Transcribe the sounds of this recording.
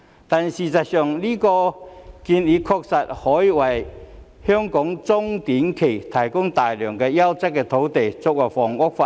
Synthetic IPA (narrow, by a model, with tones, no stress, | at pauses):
t̪a˨nsi˨t͡sa˨˩t̚sœ˨˩ŋliː˥kɔ˧ki˧nli˨˧kʰɔ˧k̚sɐ˨t̚hɔ˨˥jwa˨˩j | hœ˥ŋkɔ˨˥ŋt͡sʊ˥ŋt̪i˨˥nkʰe˨˩jt̪ʰɐ˨˩jkʊ˥ŋt̪aː˨˩jlœ˨˩ŋkɛ˧ja˥wt͡sɛ˥k̚ːɛː˧t̪ʰo˨˥wt̪e˨˩jt͡sʊ˧k̚wa˨˩jfɔː˨˩ŋʊ˥k̚fa˧˨